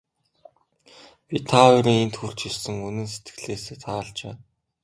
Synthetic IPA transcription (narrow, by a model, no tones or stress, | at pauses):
pʲit̪ʰaiɾĭŋent̪xur̥t͡ɕiɮsɘ̆ŋunɘ̆nset̪ɡɘ̆ɮeːseːt̪ʰaːɮt͡ɕḛː